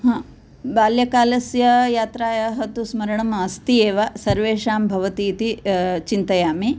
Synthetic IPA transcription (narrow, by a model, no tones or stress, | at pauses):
ɦãː | baːljɐkaːlɐsjɐjaːt̪ɾaːjɐɦɐt̪usmɐɾɐɳɐmɐst̪ieːʋɐsɐɾʋeːʂaːmbʱɐʋɐt̪iːt̪it͡ʃint̪ɐjaːmi